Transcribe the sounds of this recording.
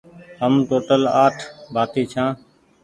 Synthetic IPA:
ɦəmʈoːʈəlaːʈʰbʱaːt̪iːt͡ʃʰãː

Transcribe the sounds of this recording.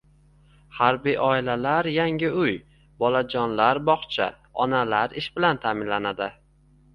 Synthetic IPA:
haɾbijʔɒɪlalaɾjaŋʲɪʊj | bɒlad͡ʒɒnlaɾbɒχt͡ʃʰa̰ | ɒnalaɾɪʃbɪlant̪ʰaːmɪnlanad̪ɪ

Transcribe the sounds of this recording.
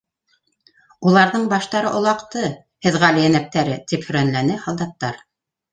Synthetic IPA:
ulˠɑɾðɤɴbɑʃt̪ɑɾɤʔŏlˠɑqt̪ɤ | hɘ̆ðʁælijænæp̚t̪æɾɘt̪iphɵ̆ɾænlænɘhɑlˠd̪ɑt̪ːɑɾ

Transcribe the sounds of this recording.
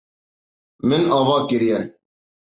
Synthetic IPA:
mɪnɑːvɑːkɪɾijɛ

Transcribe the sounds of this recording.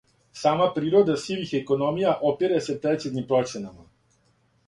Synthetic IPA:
saːmapɾiːɾod̪asilixɛkonomijaʔopiɾasɛpɾɛt̪sid̪nimpɾɔt͡ʃɛnama

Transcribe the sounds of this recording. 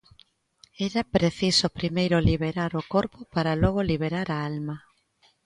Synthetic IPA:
ɛɾapɾeθisopɾimejɾoliβeɾaɾokoɾpopaɾalɔɣ̞oliβ̞eɾaɾaalmɐ

